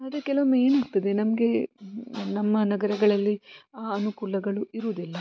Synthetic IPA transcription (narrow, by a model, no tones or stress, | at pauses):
ɐd̪ɾekɛlʋɐme̞ːnaːɡ̚t̪ɐd̪e̞nɐmɐɡe̞ | nɐmːɐnɐɡɐɾɐɡɐɭɐlːiaːɐnukuːlɐɡɐɭuiɾuːd̪ilːɐ